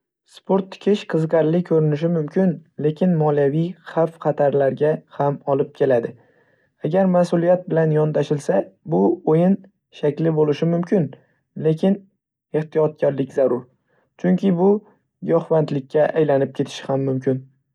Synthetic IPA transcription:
spʰoɾt̪ʰːɪ̥kʲʰɪʃqʰɨzɨqɑɾlɪkʰɵɾɪnɪʃ̬ɪmʊmkʲʰɪnle̞kʲʰɪnmɒlijavijχafqʰɑt̪ʰaɾlaɾɡʲahamɒlˠɪp̚kʲʰe̞lad̪ɪ | aɡʲaɾmasʊlˠijat̪̚bɪlanjɒnt̪ʰaʃɪlsabʊojɪn | ʃakʲlɪbolɪʃɪmʊmkʲɪn | le̞kʲʰɪn | e̞ht̪ʰijɒt̪̚kʰʲɒɾlɪkʲzaɾʊɾ | t͡ʃʰʊŋkʲʰɪbʊ | jɒχvant̪lɪk̚ʲːaʔajlanɪp̚kʲe̞t̪ʰɪ̥ʃɪhamːʊmkʲʰɪn

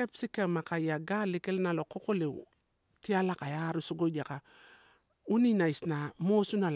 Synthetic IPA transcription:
kepsikamakajaɡalikelnalokokolḛ | tialakajaɾusuɡoɟaka | uninaisnamosunal

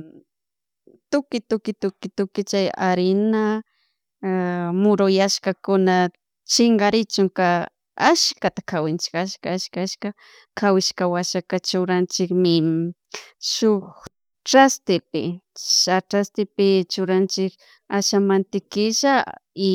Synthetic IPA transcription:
t̪ʊkɪt̪ʊkɪt̪ʊkɪt̪ʊkɪt͡ʃajaɾɪna | mʊɾʊjaʃkakʊna | t͡ʃɪŋɡaɾɪt͡ʃʊŋka | aʃkat̪akʰawɪnt͡ʃɪ̥kaʃkaaʃkaaʃka | kʰawɪʃkawaʃakat͡ʃʊɾant͡ʃɪkmɪ | ʃʊk | ʈ͡ʂast̪ɪpɪ̰ʃaʈ͡ʂɾast̪ɪpɪt͡ʃʊɾant͡ʃɪk | aʃamant̪ɪkɪʃaɪ

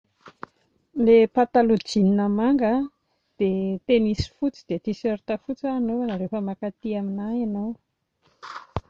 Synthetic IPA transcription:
lepat̪alud͡ʒininəmaŋɡə | d̪̥et̪enisi̥fut͡sid̪et̪isøɾit̪afut͡saːnowanaɾefəmakat̪iaminajanaw

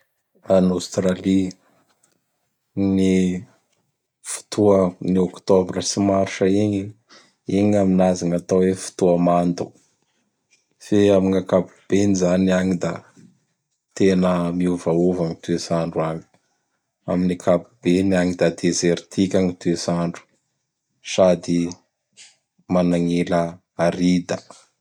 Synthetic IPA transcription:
anost̪ɾali | ni | fu̥t̪ʰuəniɔkt̪obrəsimaɾʈ͡ʂəiɲi | iɲaminazaŋat̪awefu̥t̪uəmand̪u̥ | feamiŋakapub̥enizaniaŋid̪a | t̪enəmiuvauvaŋit̪uesaɳɖ͡ʐuaɲi̥ | a̰minikʰapubeniaŋid̪ad̪ezeɾt̪ʰikʲaŋit̪uezaɳɖ͡ʐu̥ | sad̪i | manaŋilə | aɾid̪ə

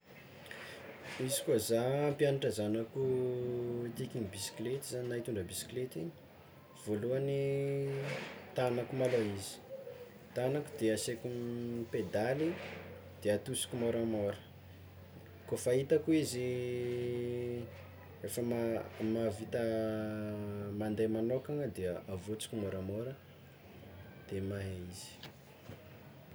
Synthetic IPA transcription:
izikuazaːmpjanaʈ͡ʂazanaku | t̪ikinibisi̥klet̪izaɲinait̪uɳɖ͡ʐəbisi̥klet̪iɲi̥ | v̥oluani | t̪anakumaloizi̥ | t̪anaku̥d̪easekumped̪ali | d̪̥eat̪usi̥kʲumoɾamoɾə̥ | kofait̪akuizi | efəmamavit̪ə | mand̪ejmanokaŋəd̪eəavot͡si̥kʲumoɾamoɾə | d̪̥emaɦeiz̥i̥

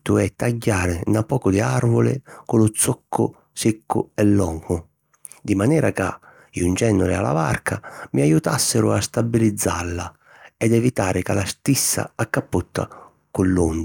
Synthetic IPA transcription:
t̪ːʊɛt̪ːaɟːaːɾɪnapːɔːkʊd̪ɪarvʊlɪ̰kʊlʊt̪sɔkʰːʊ̰ | sekːʊ̰ɛlːɔŋhʊ | d̪imanɛːɾaka̰ | unt͡ʃɛnːʊɾɪa̰la̰ba̰rkʰamiajut̪asːɪɾʊast̪abːilid̪zːalːa | ɛd̪ɛvit̪aːɾɪkalast̪isːa̰akːapːut̪ːa̰ | kʊlːund̪

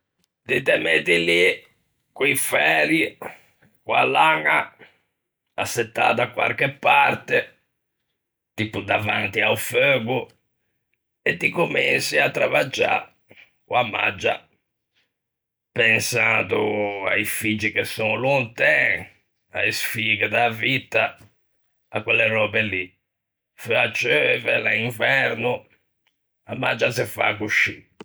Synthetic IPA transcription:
d̪it̪ɛmeːt̪ili | kuifɛːɾi | kwalaŋa | asːɛt̪ːa̰ːd̪akːwa̰ɾkɛpːaɾt̪ɛ | t̪ipud̪avant̪iauføːɡu | ɛd̪ikomensiat̪ːɾavad͡ʒːa̰ | kwamːa̰d͡ʒːa̰ | pɛnsad̪ua̰ifid͡ʒːikɛsːɔnlɔnt̪ɛ̃ | a̰isfiɡɛd̪avit̪ːa | akːwɛlːɛrɔːbɛli | føat͡ʃːøvɛlaiɱvɛɾnu | amːa̰d͡ʒːazɛfa̰kuʃi

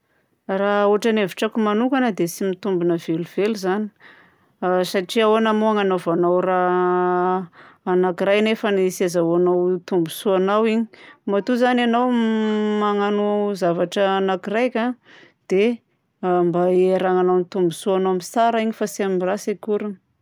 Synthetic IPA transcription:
rauaʈ͡ʂaneviʈ͡ʂakumanukanəd̪esimit̪umbunəveluv̥eluzani̥ | saʈ͡ʂiaonamoaŋanovanawra | nakiɾajnefənisazaanawt̪umbusuanawiɲi̥mat̪uzananawmaŋanuzavaʈ͡ʂəːnakiɾajkʲa | d̪̥e | mbaeɾaŋanawnit̪umbusuanoamisaɾaiɲifasamirasikuɾu

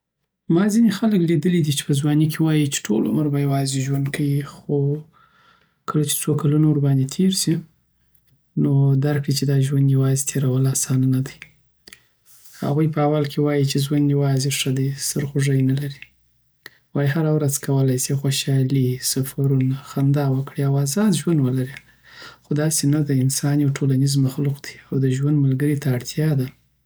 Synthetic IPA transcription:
mɑzinexaləklid̪əlid̪it͡ʃe̥pəzwɑnikʰewɑjit͡ʃe̥ʈʰolʊ̰məɾbajawɑzeʒwand̪kʰawixo | kəlat͡ʃe̥t͡sokalanoɾbɑnd̪et̪ʰeɾsi | nod̪aɾkɽit͡ʃed̪ɑʒwand̪jawɑzet̪ʰeɾawəlasɑnanad̪aj | ha̰ɣujpəawalkʰewɑjit͡ʃeʒwand̪jawɑzeʂəd̪ajsəɾxoʐəjnalaɾi | wɑjiɦaɾawɾazkʰawəlajsixoʃɑlisafaɾunaxand̪ɑwəkɽiawazɑd̪ʒwand̪wəlaɾi | xod̪ɑsenad̪əɪnsɑniawʈʰolanizmaxluqd̪̥i̥awd̪əʒwand̪malɡəɾit̪aːɽt̪ʰjɑd̪a

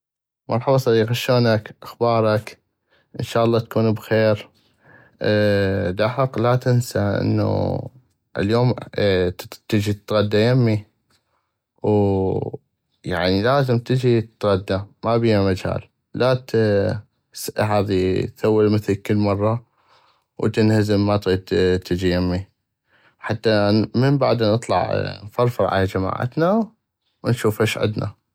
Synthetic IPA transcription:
mɑɾˤħɑbɑsˤɑd̪iːqaʃoːnakʔaxbɑːɾˤɑk | ʔɪ̰nʃaːʔɑlˤːɑːt̪ḁkuːnbxeːɾ | d̪aħɑqlat̪ɪnsaʔɪ̰nːṵ | ʔə̰ljoːm | t̪ɪd͡ʒit̪t̪ɣad̪ːajamːi | w | ja̰ʕnilaːzɪmt̪ɪd͡ʒit̪ɣad̪ːamabijamad͡ʒa̰ːlː | at̪ | ɦaːðiθawːɪlmɪθəlkəlːmɑrˤːɑ | wt̪ɪnhazɪmːat̪ɣiːd̪t̪ʰɪd͡ʒijamːi | ħat̪ːaməmbaʕd̪anɨt̪ˤlɑ̰ʕnfɑɾˤfɑɾˤʕa̰lad͡ʒama̰ːʕa̰t̪na | wnʃuːfaʃʕɪ̰d̪nʔa̰

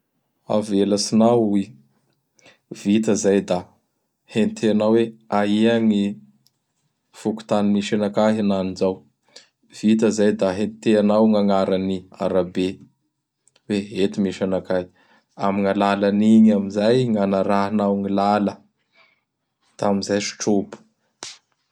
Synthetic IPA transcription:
a̰velasinawi | vit̪əzajd̪a | hent̪ʰeanawweaiaŋi | fuku̥t̪animiʃanakaɦananizaw | v̥it̪əzajd̪aɦent̪eanawŋaŋaɾania̰ɾabe | weɦet̪imiʃanakaɦi̥ | amiŋalalaniɲamizajŋanaɾaɦinawŋilalə | d̪̥aamizajʃi̥ʈ͡ʂopu̥

